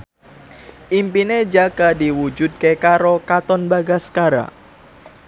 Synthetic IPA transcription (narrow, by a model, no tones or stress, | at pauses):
ʔimpined͡ʒaɡadiwud͡ʒud̪̚kekaɾokat̪ɔnbaɡaskaɾa̰